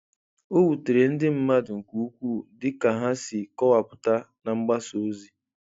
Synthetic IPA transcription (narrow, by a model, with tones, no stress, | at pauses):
o˦wu˨te˨ɾe˨n̩˦dɪ˦m̩˦ma˦dʊ˨ŋ̩˨ku˦u˦kʷu˦dɪ˦ka˨ɦa˦sɪ˨kɔ˦wa˨pʊ˨ta˦ | na˨ŋ͡m̩˦ɡ͡ba˦so˨˦zi˦